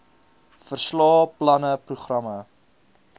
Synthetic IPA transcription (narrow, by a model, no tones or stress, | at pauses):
fərslɑːplɐnəpruχrɐmə